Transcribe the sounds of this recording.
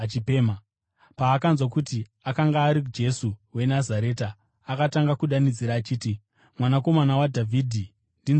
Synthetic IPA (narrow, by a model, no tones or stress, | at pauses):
t͡ʃipeːma | paːkanzwakuti | akaŋɡaːɾikud͡ʒe̞suwe̞nazaɾe̞ːtaː | kataŋɡakuɗanid͡ziɾaːt͡ʃiːti | mwanako̞manawadʱavʱiːdʱi | ndin